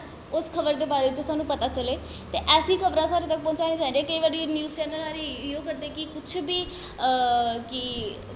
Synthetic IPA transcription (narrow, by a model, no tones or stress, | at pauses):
ʊskʰəbəɾd̪eːbaːɾeʋɪt͡ʃəsaːnũːpət̪aːt͡ʃəleː | t̪eːʔɛːsĩːkʰəbɾãːsaːɾet̪ək̚pɔ̃ːt͡ʃaːnẽːd͡ʒaːndeɛ̃kəiʋaːɖinjuːzt͡ʃɛːnəlaːɾijoːkəɾd̪eːkɪkʊt͡ʃʰbiː | kɪ